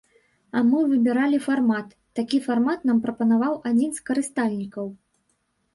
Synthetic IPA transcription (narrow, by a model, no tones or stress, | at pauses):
ɐmɨvɨbʲiɾalʲifarmat̪ːakʲifarmat̪nampɾɐpɐnavawʔad͡zʲinskɐɾɨst̪alʲnʲikɐw